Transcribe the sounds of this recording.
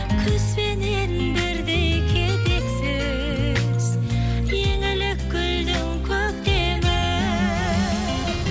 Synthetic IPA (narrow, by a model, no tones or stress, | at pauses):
kʲʰʏzpenenbɪɾd̪ejkʲʰed̪eksɪ | z̥ | jeŋɪlɪkɡʲʏld̪ɪŋkʲʰøk̚t̪e | mɪ